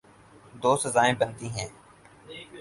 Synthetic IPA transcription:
d̪oːsəzaːẽːbənt̪iːɦɛ̃ː

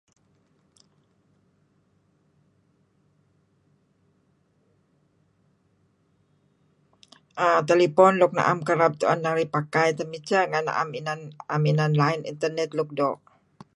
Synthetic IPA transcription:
ʔat̪elipɔnlʊk̚na̰ʔamkəɾap̚t̪uʔa̰nːaɾipakajt̪əmit͡ʃaŋanːa̰ʔa̰minanaminanlaɪnḭnt̪ərnɛt̪luk̚dɔʔ

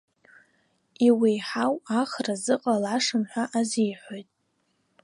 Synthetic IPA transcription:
iwijħawaχrazɨqʼalaʂɨmħʷaʔazijħʷojtʼ

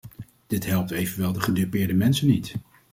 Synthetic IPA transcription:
d̥ɪtɦɛlˠp̚tejvənʋɛlˠdəχədɪpɪːɹdəmɛnsənit

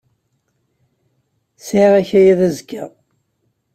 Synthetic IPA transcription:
sʕiʁæçæjæðæzkːæ

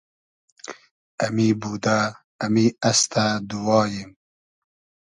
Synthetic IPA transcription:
ɐmibuːd̪aː | miast̪ad̪uwɑːjim

